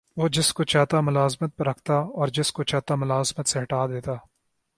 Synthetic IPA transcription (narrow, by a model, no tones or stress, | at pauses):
ʋoːd͡ʒɪskot͡ʃaːt̪amʊlaːzmət̪̚pɐɾɐkʰt̪aɔːɾd͡ʒɪskot͡ʃaːt̪amʊlaːzmət̪seɦɐʈaːd̪eːt̪aː